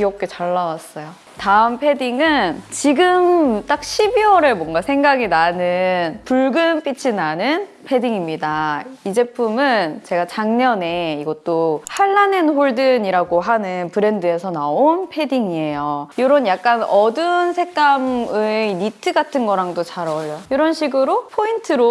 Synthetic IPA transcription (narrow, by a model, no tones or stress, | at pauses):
kiʌk̚k͈e̞t͡ɕaɭːawas͈ʌjo | taɯmpʰe̞diŋɯnt͡ɕiɡɯmt͈ak̚ɕʰibiwʌɾemwʌnɡasʰe̞ŋɡaɡinanɯnpuɭɡɯnp͈ʰit͡ɕʰinanɯn | pʰe̞diŋimɲidaid͡ʑe̞pʰumɯnt͡ɕe̞ɡat͡ɕaŋɲʌne̞iɡʌt͈ohaɭːanenɸoɭdɯniɾaɡoɦanɯnpɯɾe̞ndɯe̞sʰʌnaonpʰe̞diŋie̞jojoɾʌnjak̚k͈anʌdɯnsʰe̞k͈amɯinitʰɯɡatʰɯnɡʌɾaŋdot͡ɕaɾʌʎojiɾʌnɕʰiɡɯɾopʰointʰɯɾo